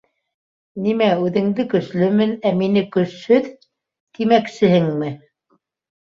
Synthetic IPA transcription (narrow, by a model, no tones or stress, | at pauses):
nimæʉðɘ̆ŋd̪ɘkɵ̆ʃlɵmɘnæminɘkɵ̆shɵð | t̪imæksɘ̆hɘŋmɘ